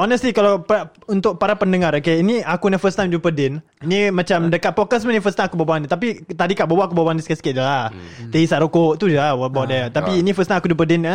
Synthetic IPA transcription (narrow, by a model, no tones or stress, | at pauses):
ɔnəst̪likalawpaaunt̪ʊʔ̚paɾapəndəŋaɾokeiniakunafəst̪ajmd͡ʒupədɪn | inimãt͡ʃamdəkat̪̚pɔkəs̬mənĩfəst̪ajmakubabanit̪apit̪adikaʔbawaakubawaniskasəkaʔ̪d͡ʒlah | t̪eisaʔɾokoʔt̪ud͡ʒawɔbaʔ̚dɛt̪apiːnifəst̪ajmakud͡ʒup̬ədɪna